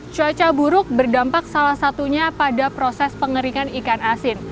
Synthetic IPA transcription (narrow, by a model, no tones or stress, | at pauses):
t͡ʃuat͡ʃabuɾʊk̚bərdampak̚salahsat̪uɲapadapɾosɛspəŋəɾiŋanikanasɪn